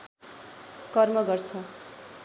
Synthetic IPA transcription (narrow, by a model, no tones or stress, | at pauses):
kʌrmʌɡʌrt͡sʰʌ